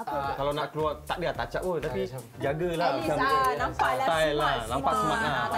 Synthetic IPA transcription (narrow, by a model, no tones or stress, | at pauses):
kalawnaʔkluat̪aʔdiat̪at͡ʃaʔ̚pot̪api | d͡ʒaɡəlat͡ʃa | ajlanãmpaʔsəmat̪̚la